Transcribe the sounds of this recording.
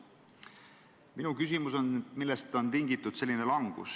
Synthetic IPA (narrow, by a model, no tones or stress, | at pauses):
minukysimuso̞nmilːest̪ːɑont̪iŋɡit̪ːˑud̪̥se̞lʲːinelɑŋɡ̥ṵs